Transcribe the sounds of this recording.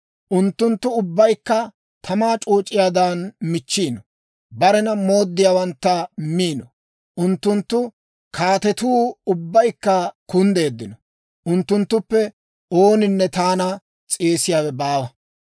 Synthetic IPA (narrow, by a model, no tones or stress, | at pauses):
ʔʊnt̪ːʊnt̪ːʊʊbːɐjkːɐ | t̪ʰɐmaːt͡ʃʼuːt͡ʃʼːɪjaːd̪aːnmɪt͡ʃːiːnɔ | bɐɾɛnɐmo̞ːd̪ːɪjaːwɐnt̪ːɐmiːnɔ | ʔʊnt̪ːʊnt̪ːʊ | kʰaːt̪ɛt̪uːʊbːɐjkːɐkʊnd̪e̞ːd̪ːɪnɔ | ʔʊnt̪ːʊnt̪ːʊpːɛ | o̞ːnɪnːɛt̪aːnɐ | t͡sʼeːsɪjaːwɛbaːwɐ